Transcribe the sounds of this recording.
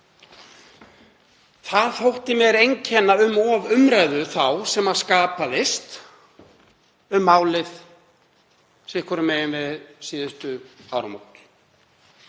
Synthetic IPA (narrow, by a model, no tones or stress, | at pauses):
θaðθowht̪ɪmjɛɾejɲcʰɛnːaʏmɔvʏmɾajðʏθawsɛmað̥skaːpaðɪst̪ | ʏmːaːwlɪð̥ | sɪhkʰɔɾʏmɛjɪnvɪðsiːðʏst̪ʏaːwɾa̰mo̰wt̪l̥